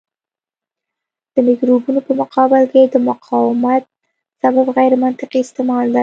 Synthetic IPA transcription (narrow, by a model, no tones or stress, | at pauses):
d̪̥əmɪkɾobunopəmʊqɑbɪlkeed̪əmʊqʰɑwɪmat̪̚ | sababɣajɾmant̪ɪqiɪst̪emɑld̪a